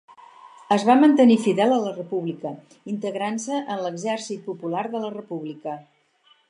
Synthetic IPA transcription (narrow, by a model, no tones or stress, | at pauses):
əzβamənt̪ənifiðɛlˠələrəpuβlikə | int̪əɣɾansəʔənləɡzɛrsit̪̚pupulaɾðələrəpuβlikə